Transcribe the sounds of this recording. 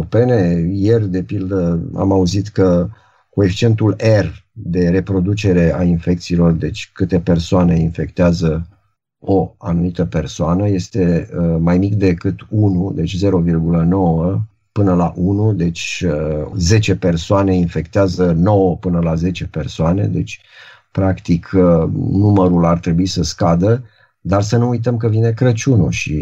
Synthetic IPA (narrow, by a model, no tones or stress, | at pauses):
pe̞ne̞je̞rd̪e̞pild̪əa̰mauzit̪kə | kue̞fi̥t͡ʃie̞nt̪ule̞rd̪e̞ɾe̞pɾo̞d̪ut͡ʃe̞ɾe̞ainfe̞k̚t̪siːlo̞rd̪e̞t͡ʃʲkɨt̪e̞pe̞rsoane̞infe̞kt̪eazə | o̞anumit̪əpe̞rsoanəje̞st̪e̞əmajmik̚d̪e̞kɨt̪unud̪e̞t͡ʃʲze̞ɾo̞virɡuləno̞wə | pɨnəlaʔunud̪e̞t͡ʃʲ | ze̞t͡ʃe̞pe̞rsoane̞infe̞kt̪eazəno̞wəpɨnəlaze̞t͡ʃe̞pe̞rsoane̞̰d̪e̞̰t͡ʃʲ | pɾakt̪ikʰ | numəɾulart̪ɾe̞buisəskad̪ə | d̪arsənuujt̪̬əmkəvine̞kɾət͡ʃunuʃḭ